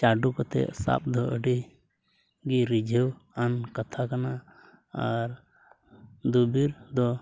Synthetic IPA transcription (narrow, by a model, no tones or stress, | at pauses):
t͡ʃaɖukɔt̪ɛ̰sa̰p̚d̪ʱɔʔəɖi | ɡiɾid͡ʒʱewankət̪ʰakana | aɾ | d̪ubiɾd̪ɔ